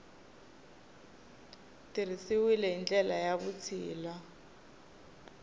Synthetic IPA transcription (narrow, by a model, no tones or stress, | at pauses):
tirisiwilɛind͡ɮɛlajaβut͡sʰiːla